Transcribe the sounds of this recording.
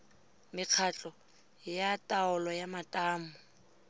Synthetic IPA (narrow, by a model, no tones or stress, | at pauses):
mɪq͡χʰat͡ɬʼɔ | jatʼaʊlɔjamatʼaːmʊ